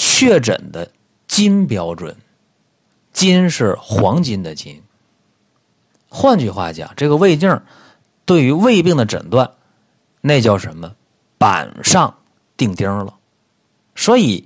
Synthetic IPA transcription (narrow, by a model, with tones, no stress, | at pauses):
t͡ɕʰɥɛ˥˩ʈ͡ʂə̰˨˩nd̪ə˦ | t͡ɕi˥npjɑ˥ʊʈ͡ʂwə̰˨˩˦n | t͡ɕi˥nʂɻ̩˥˩xwɑ˧˥ŋt͡ɕi˥nd̪ə˨t͡ɕi˥n | xwa˥˧nt͡ɕy˥˩xwa̰˥˩t͡ɕjɑ̰˨˩˦ŋʈ͡ʂɤ˥˩ɡə˩we˥˧ɪt̪jə˥˩ | t̪we˥˩ɪy˧˥we˥˧ɪpi˥˩ŋd̪ə˩ʈ͡ʂə̰˨˩nt̪wa˥˧n | na˥˧ɪt͡ɕjɑ˥˩ʊʂə˧˥mə˧ | pa̰˨˩nʂɑ˥˧ŋ | t̪i˥˩ŋt̪ji˥lə̰˩ | swɔ˧˥i˨˩˦